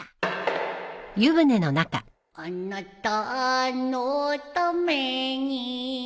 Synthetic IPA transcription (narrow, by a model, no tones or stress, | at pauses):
jɯβɯnenonaka̰ | ɔnːɔt̪ːɔnot̪ɔmeɲi